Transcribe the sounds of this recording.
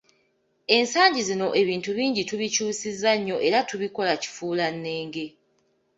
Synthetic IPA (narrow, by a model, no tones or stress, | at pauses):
e̞nsaːɲɟizino̞ʔe̞βiːntuβiːɲɟituβicuːsizaɲːo̞ʔe̞ɾatuβiko̞laci̥fuːlanːe̞ːŋɡe̞